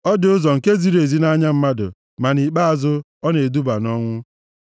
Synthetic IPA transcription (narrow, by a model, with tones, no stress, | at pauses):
ɔ˦dɪ˨ʊ˦zɔ˨ŋ̩˨ke˦zi˨ɾe˨zi˦na˦ɲa˦m̩˦ma˦dʊ̰˨ | ma˨ni˨k͡pa˦a˨zʊ˦ | ɔ˦ne˨du˦ba˨nɔ˦ŋʷʊ˦